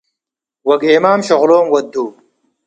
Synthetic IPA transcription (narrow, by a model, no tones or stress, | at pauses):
wɐɡeːmaːmɕɐʁloːmwɐd̪ːuː